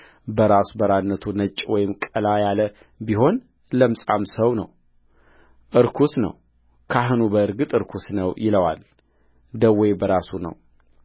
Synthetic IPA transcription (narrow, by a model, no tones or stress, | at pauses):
bəɾasubəɾanːət̪ʰunət͡ʃʼːwɔjɪmkʼəlajalə | biɦo̞n | ləmsʼa̰msəwnə̰w | ʔɨɾkʰusnə̰w | kʰaɦɨnubəɨɾɡɨt̪ʼɨɾkʰusnəwjʔɪləwa̰l | d̪əwejbəɾasunə̰w